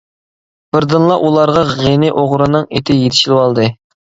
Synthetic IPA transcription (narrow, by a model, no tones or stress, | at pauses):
b̥ɪɾd̪ɨnlˠɑʔulˠɑɾʁɑʁenɪʔoʁɾɨnɨŋet̪ʰɪjet̪ʰɪ̥ʃilˠwɑlˠd̪ɨ